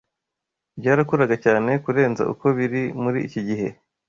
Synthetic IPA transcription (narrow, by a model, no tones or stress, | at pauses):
bɟaːɾakuɾaɡacaːne̞kuɾe̞ːnza̰ʔṵko̞βiɾimuɾiːciɟiɦe̞